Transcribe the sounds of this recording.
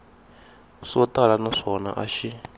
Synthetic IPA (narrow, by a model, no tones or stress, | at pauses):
ʂɔtalanaʂɔna̰ʔa̰ʃi